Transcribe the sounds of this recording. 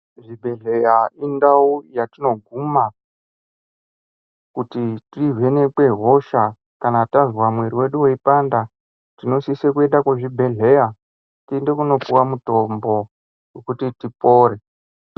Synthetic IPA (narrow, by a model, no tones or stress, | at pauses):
ʐibʱe̞ɮe̞jaindaujatino̞ɡʱuma | kutitive̞ne̞kwe̞ɦo̞ʃa | kanatazwamwe̞ɾiwe̞ɗuwoipanda | tino̞sisekuenɗakweʐibʱe̞ɮe̞ja | tinde̞kuno̞puwamuto̞mbo̞ | wekutitipo̞ːɾe̞